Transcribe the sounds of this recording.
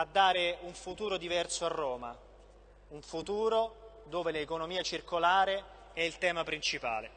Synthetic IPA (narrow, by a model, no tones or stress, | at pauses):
ad̪ːaːɾeuɱfut̪uːɾod̪ivɛrsoarːoːma̰ | uɱfut̪uːɾo | d̪oːveleːkonomiːat͡ʃirkolaːɾe | ɛilt̪ɛːmapɾint͡ʃipa̰ːle